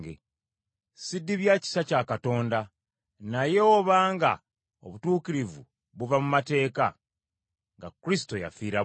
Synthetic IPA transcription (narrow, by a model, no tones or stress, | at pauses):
ɡḛ | sidːiβjaːci̥sacaːkato̞ːnda | naje̞oβaːŋɡa̰ | o̰βutuːkiɾivṵ | βuvamumate̞ːka | ŋɡa̰kuɾisi̥to̞ja̰fiːɾa